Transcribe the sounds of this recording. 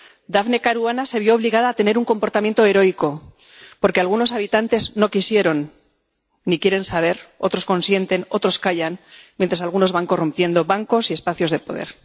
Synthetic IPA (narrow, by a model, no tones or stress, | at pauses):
d̪aβne̞kaɾuanase̞βjo̞ːβliɣaðaːt̪e̞ne̞ɾuŋko̞mpoɾt̪amjent̪oe̞ɾo̞jko̞ | po̞ɾke̞alɣuno̞saβ̞it̪ant̪e̞zno̞kisje̞ɾo̞nː | ikje̞ɾe̞nsaβ̞e̞ɾo̞t̪ɾo̞sko̞nsje̞nt̪e̞no̞t̪ɾo̞skaʝanmjent̪ɾasalɣuno̞zβaŋko̞rompje̞nd̪o̞βaŋko̞sie̞spaθjo̞zðe̞po̞ðeɾ